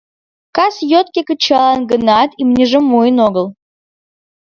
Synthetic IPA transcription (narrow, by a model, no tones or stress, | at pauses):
kasjot̪̚kʲekət͡ɕalˠanɡənat̪imnʲeʐəmujnoɡəlˠ